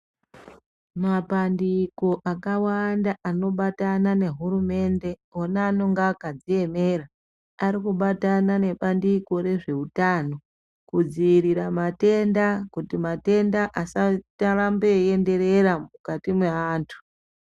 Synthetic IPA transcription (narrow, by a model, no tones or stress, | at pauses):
mapandiko̞ʔakawandaʔano̞ɓatanane̞ɦuɾume̞nde̞oneːno̞ŋɡakad͡zie̞me̞ɾa | aɾikuɓatanane̞pandiko̞ɾe̞ʐe̞utaːno̞ | kud͡ziiɾiɾamate̞ndakutimate̞ndaʔasataɾambeende̞ɾe̞ɾamukatimweaːntʰu̥